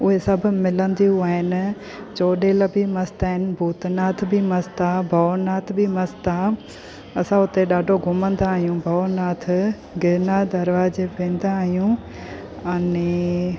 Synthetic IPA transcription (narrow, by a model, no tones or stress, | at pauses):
ʊɦesɐbʱʊ̆mɪlə̃nd̪ijuaːɦɪnɪ̆ | t͡ɕoːɗeːlɐbʱimɐst̪aːɦɪnɪbʱuːt̪naːt̪ʰbimɐst̪abʱɐnaːt̪ʰbʱimɐst̪a | ɐsãʊt̪eɗaːɖʱoɡʱʊmə̃nd̪aːɦijũbʱɐnaːt̪̆ʰ | ɡeːnaːd̪ɐɾʋaːd͡ʑepẽːn̆d̪aːɦijũ | ɐne